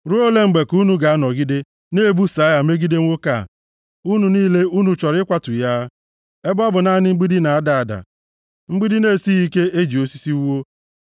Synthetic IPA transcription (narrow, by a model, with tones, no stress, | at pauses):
ɾu˦o˦le˦ŋ͡m̩˨ɡ͡be˨ku˦nu˦ɡa˨a˦nɔ˨ɡi˦de˦ | ne˦˨bu˦sa˨˦ja˨me˦ɡi˦de˦ŋʷo˦ka̰˦˨ | u˦nu˨niː˦le˦u˦nu˨t͡ʃɔ˨ɾɪ˦kʷa˦tʊ˨ja˦ | e˦bʊ˦a˦bʊ˨na˦nɪ˦ŋ͡m̩˦ɡ͡bi˦di˦na˨a˦da˨a˨da̰˨ | ŋ͡m̩˦ɡ͡bi˦di˦ne˦˨si˦i˦ke˦e˦d͡ʒi˨o˦si̥˦si˦u˦wo˦